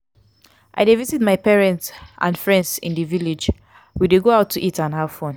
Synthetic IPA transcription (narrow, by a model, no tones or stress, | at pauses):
ʔa̰ɪdevizitmaɪpɛɹɛ̃ntsʔã̰nfɹɛ̃ndsḭ̃ndiviled͡ʒ | wideɡoaʊtʰːuʔitãnhav̥fɔ̃n